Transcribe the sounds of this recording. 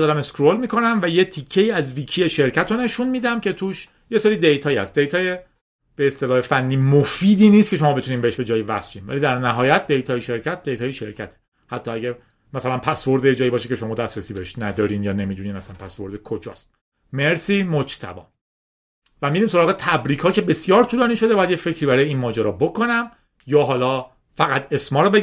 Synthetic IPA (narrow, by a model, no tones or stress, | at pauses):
d̪ɒːɾæme̞skɾolmiːkʰo̞næmvæjet̪ʰicʰːe̞iːæzvicʰiːeʃe̞ɾcʰæt̪ʰone̞ʃunmiːd̪æmcʰe̞t̪ʰuːʃ | je̞seːɾiːd̪ejt̪ʰɒːjæ̰st̪̚d̪ejt̪ʰɒːje | b̥eːst̪elɒːhefænːiːmofiːd̪iːnist̪̚cʰe̞ʃo̞mɒːbe̞t̪uniːmbeeʃbe̞d͡ʒɒːjevæ̰sʃiːnvæ̰liːd̪æɾnæɦɒːjæt̪̚d̪e̞jt̪ʰɒːjeʃe̞ɾcʰæt̪̚d̪e̞jt̪ʰɒːjeʃeɾcʰæt̪ʰe̥ | hæt̪ʰːɒːæɟæ | mæsælænpʰæsvo̞ɾd̪ejed͡ʒɒːjibɒːʃecʰeʃo̞mɒːd̪æst̪ɾæsiːbeheʃnæd̪ɒːɾiːnjɒːnemiːd̪uniːnæsænpʰæsvo̞ɾd̪ekʰod͡ʒɒ̰ːst̪̚ | meɾsiːmod͡ʒt̪ʰæ̰bɒ̰ː | væmiɾiːmso̞ɾɒːɣet̪ʰæbɾiːkʰhɒːcʰe̞be̞sjɒːɾt̪ʰuːlɒːniːʃo̞d̪ebɒːjæd̪jefe̞cʰɾiːbæɾɒːjeiːnmɒːd͡ʒæɾɒːbokʰo̞næm | jɒːɦɒːlɒː | fæɣæt̪ʰe̞smɒːɾɔbe